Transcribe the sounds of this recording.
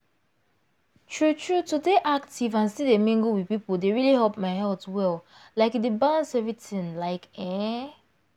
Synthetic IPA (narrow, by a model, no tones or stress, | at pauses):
tʰɹutʰɹutudeʔak̚tivãnsidemĩŋɡowiðpipodeɹiliɦɛlpmaɪɦɛltwɛl | laɪkdebãnsɛvɹitĩŋlaɪkɛ̃